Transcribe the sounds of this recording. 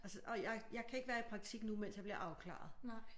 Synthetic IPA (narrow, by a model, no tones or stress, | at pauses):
ʔælsəʔɒ̽jɑɪjɑ̈ɪkʰæeɡ̥ʋæːɐipʰʁɑ̈ɡ̥̚t͡sʰiɡ̥numen̰sjɑ̈b̥liɐʔɑ̈ʊkʰlɑ̰̈ːð̩ˠ